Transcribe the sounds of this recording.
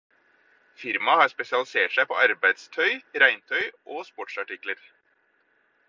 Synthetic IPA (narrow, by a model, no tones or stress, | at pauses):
fɪɾmɑhɑːɾspɛsɪɑlɪseːʈʂæɪpʰɔ̰ːʔɑɾbæɪd̪st̪ʰœʏɾæɪnt̪ʰœʏʔoːspɔʈʂɑʈɪkləɾ